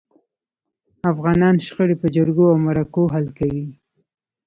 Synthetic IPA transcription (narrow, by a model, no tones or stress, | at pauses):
afɣɑnɑnʃxəɽepəd͡ʒaɽɡoawmaɾakoɦalkawi